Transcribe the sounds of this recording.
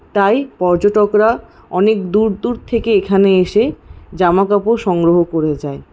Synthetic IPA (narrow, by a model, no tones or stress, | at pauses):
t̪ajpɔɾd͡ʑoʈokɾa | ɔnekd̪uɾd̪uɾt̪ʰekeekʰaneeʃed͡ʑamakapoʃɔŋɡɾoɦokoɾed͡ʑae